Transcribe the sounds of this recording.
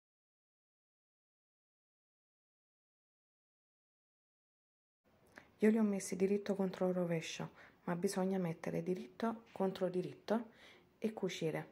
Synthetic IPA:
iːoliɔmːesːid̪iɾit̪ːokont̪ɾorovɛʃːo̰mabːizɔɲːamɛt̪ːeɾɪ̰d̪iɾit̪ːokont̪ɾod̪iɾit̪ːo | ekːut͡ʃiːɾe

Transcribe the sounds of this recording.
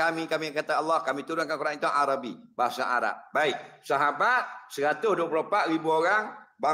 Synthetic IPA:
amikamiakat̪aalːahkamĩt̪uɾʊnkankuɾaŋint̪oŋʔaɾabibaɦasa̰ʔa̰ɾa̰p̚baɪk̚saɦabat̪̚səɾat̪ʊsduap̬uloəpaʔɾibuoɾaŋba

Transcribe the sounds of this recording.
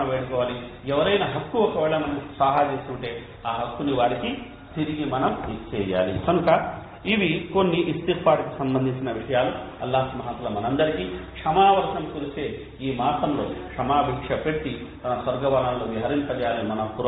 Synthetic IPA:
ɐʋeːɽukɔːʋaːli | ɛʋɐɾɐjnɐɦɐkːuɔkɐʋɛːɭɐmɐnɐmsaːɦaːd͡ʒeːsuɳʈe̞ː | aːɦɐkːuniʋaːɾiki | t̪iɾiɡimɐnɐmit͡ʃɛːja̰ːlḭkɐnukɐ | iʋikonːiʔist̪ikpaːʈɐkusɐmbɐnd̪ʱiɲt͡ʃinɐʋiʂɐjaːluɐ̰lːaːɦsɐmɐɦɐt̪lɐmɐnɐnd̪ɐɾikikʂɐmaːʋɐɾt̪ɐmkuɾut͡ʃ̪e̞ː | iːmaːt̪ɐmlo̰ːkʂɐmaːbʱiːkʂɐpeɽʈːit̪ɐnɐsʋɐɾɡɐʋaːlaːnloːʋiɦɐɾinp̪ɐd͡ʒjaːlimɐnɐmpuɾ

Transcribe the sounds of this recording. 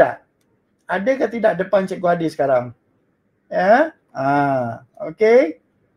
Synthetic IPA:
aʔ | adəkat̪idaʔdəpant͡ʃɛʔ̚ɡoɦadisə̥kaɾaŋ | ja | ã | oke

